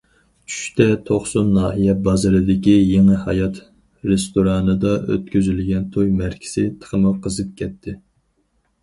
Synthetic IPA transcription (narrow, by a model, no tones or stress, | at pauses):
t͡ʃʰy̥ʃt̪ɛt̪ʰoχsunːɑːɦijɛbɑzɨɾɨd̪ɪkʲijeŋɨhɑ̰jɑt̪ | ɾest̪oɾɑːnɨd̪ɑʔø̰t̪kʲøzylɡʲɛnt̪ʰojmæɾkʲʰi̥sɪt̪ʰə̥χəmɨqʰəzɨp̚kʲʰɛt̪ʰːɪ